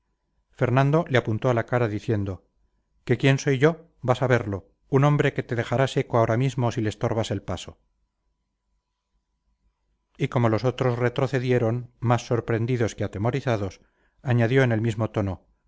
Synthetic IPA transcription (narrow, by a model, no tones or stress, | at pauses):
fe̞ɾnãnd̪o̞leapunt̪o̞alakaɾaðiθje̞nd̪o̞ | ke̞kje̞nso̞jʝo̞ | basaβe̞ɾlo̞ | unõ̞mbɾe̞ke̞t̪e̞ðe̞xaɾase̞koao̞ɾamizmo̞sile̞st̪o̞ɾβase̞lpaso̞ | iko̞mo̞lo̞so̞t̪ɾo̞sre̞t̪ɾo̞θe̞ðje̞ɾo̞nmasːo̞ɾpɾe̞nd̪iðo̞skeat̪e̞mo̞ɾiθaðo̞s | aɲaðjo̞ene̞lmizmo̞t̪o̞no̞